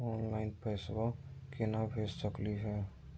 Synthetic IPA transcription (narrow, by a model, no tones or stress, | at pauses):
ɔːnlaɪnpɛswakenabʱessəkliɦɛː